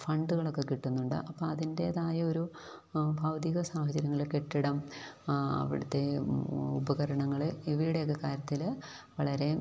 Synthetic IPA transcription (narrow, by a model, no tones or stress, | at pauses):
fɐɳɖuɣɐɭo̞kːe̞kiʈːunːuɳɖɨ̰ʔɐpːoːɐðinde̞ːðaːjɐoɾu | bʱɐːʋɐd̪iɣɐsaːhɐd͡ʑɐɾjɐŋːɐɭkeʈːiɽɐm | ɐ̰ʋḭɽɐt̪ːe̞ubɐɣɐɾɐɳɐŋːɐɭiʋiɾuɽe̞jok̬ːe̞kaːɾjɐt̪ːil | ʋɐɭɐɾe̞